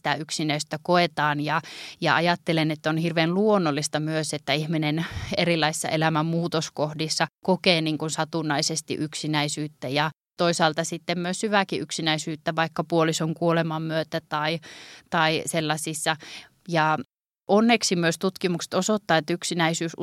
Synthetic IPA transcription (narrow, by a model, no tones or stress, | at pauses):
t̪æyksinæist̪ːækoet̪ɑːnjɑjɑ̰ɑjɑt̪ːelenet̪ːæonhirʋeːnluonːolːist̪ɑmyøset̪ːæihminenerilːˑɑisi̥sːɑ̰ʔelæmæmmuːt̪oskohdisːɑkokeːniːŋkunsɑt̪unːɑisest̪ḭʔyksinæisyːt̪ːæjɑ | t̪oisɑːlt̪ɑsit̪ːemmyøshyʋækiʔyksinæisyːt̪ːæʋɑikːɑpuolisoŋkuolemɑmmyøt̪æt̪ɑit̪ɑiselːɑsisːɑ | jɑ | ʔonːeksimyøst̪ut̪kimuksĕ̥t̪osot̪ːɑːet̪ːyksinæisyːs